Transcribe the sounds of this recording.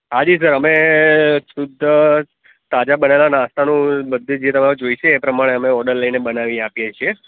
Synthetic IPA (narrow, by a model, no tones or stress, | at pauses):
ɦad͡ʒis̬əɾəme | sud̪ʱə | t̪ad͡ʒabənelanãst̪ʰanũbəd̪ʱːed͡ʒet̪əmaɾod͡ʒoiʃeːpɾəmaɽ̃eəmeɔɖəɾləinebənaʋĩapjet͡ʃʰie